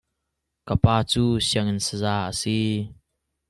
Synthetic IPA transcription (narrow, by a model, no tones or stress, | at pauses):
kəpaːt͡suːsiəŋɪnsəzaːʔəsi